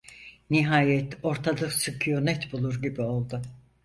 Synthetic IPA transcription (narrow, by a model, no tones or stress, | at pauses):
niɦaːjɛt̪o̞ɾt̪ʰalˠɯsɯkʰɯjonɛt̪bulˠuɾɟibio̞lˠd̪ʊ